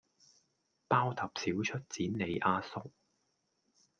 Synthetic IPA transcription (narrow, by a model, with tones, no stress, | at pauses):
paː˥wt̪ʰɐ˨p̚siː˨˥wt͡ʃʰɵ˥t̚t͡siː˨˥nne˨˧jʔaː˧sʊ˥k̚